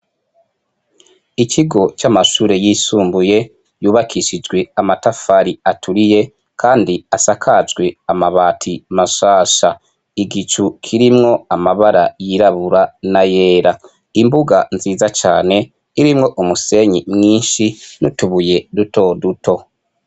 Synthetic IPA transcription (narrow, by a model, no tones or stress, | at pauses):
iciɡo̞t͡ʃamaʃuːɾe̞jisuːmbuje̞ | juːβakʰiʃid͡ʒɡwe̞amatafaɾiatʰuɾije̞ | kʰaːndiasakʰad͡ʒɡwe̞amaβaːtʰimaʃaːʃa | iɡit͡ʃukʰiɾimŋo̞amaβaɾajiɾaβuɾanaje̞ːɾa | imbuɡanziːzat͡ʃaːne̞ | iɾimŋo̞ʔumuse̞ɲimŋiːnʃinutuβuje̞duto̞dutʰo̞